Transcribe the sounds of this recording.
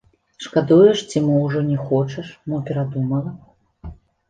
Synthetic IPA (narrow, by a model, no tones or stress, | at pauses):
ʂkad̪ujɛʂt͡sʲimɨwʐɔnʲɛxɔt͡ʂɐʂmɨpʲɛɾad̪umɐlˠɐ